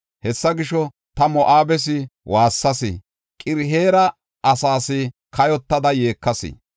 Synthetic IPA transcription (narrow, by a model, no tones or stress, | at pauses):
hɛsːɐɡɪʃɔ | t̪ɐmɔʔaːbɛs̬ɪwaːsːɐsɪ̰ | kʼɪɾɦe̞ːɾɐ | ʔɐsaːsɪkɐjɔt̪ːɐd̪ɐje̞ːkːɐsɪ̰